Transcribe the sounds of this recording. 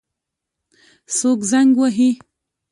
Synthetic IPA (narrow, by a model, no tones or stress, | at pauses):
sokzaŋɡwaɦi